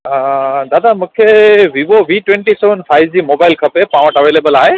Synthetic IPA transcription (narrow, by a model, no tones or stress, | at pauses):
d̪ad̪amukʰewibobiʈweɳʈisɛnpʰajzimobajlkʰəpɛpãwɔ̃ʈəwelebəlaɦe